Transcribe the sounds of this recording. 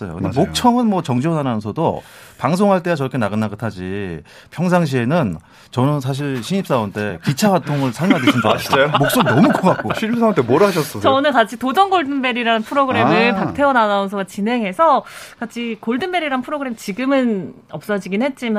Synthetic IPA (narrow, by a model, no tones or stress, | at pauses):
s͈ʌjo̰kɯndemok̚t͡ɕʰʌŋɯnmwʌt͡ɕʌŋd͡ʑiʌnanaʌnsʰʌdo | paŋs̬ʰoŋɦaɭt͈eat͡ɕʌkʰe̞naɡɯnːaɡɯtʰad͡ʑi | pʰjʌŋs̬ʰaŋɕʰie̞nɯn | t͡ɕʌnɯns̬ʰaɕ̬ʰiɭɕʰiɲip̚s͈aontʰe̞kit͡ɕʰaɡatʰoŋɯɭsʰaɭmadiɕʰind͡ʑamok̚s͈oɡinʌmukʌk͈ak̚k͈oɕʰiɲipsantʰemoɾɦaɕʰʌs͈ʌt͡ɕʌnɯnkat͡ɕʰitod͡ʑʌnɡoɭdɯnbe̞ɾiɾaɯnpʰɯɾoɡɯɾe̞mɯɭpak̚tʰe̞ʌnanaons̬ʰʌɡat͡ɕine̞ŋɦe̞sʰʌkat͡ɕʰikoɭdɯnbe̞ɾiɾaɯnpʰɯɾoɡɯɾe̞mit͡ɕiɡɯmɯn | ʌp̚s͈ʌd͡ʑiɡinɦe̞t̚t͡ɕ͈ima